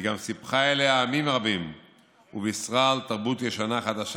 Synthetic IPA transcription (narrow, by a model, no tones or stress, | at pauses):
ɡamsipχaeleaːmimʁabim | ubeisʁalt̪aʁbut̪jeʃanaχad̪aʃ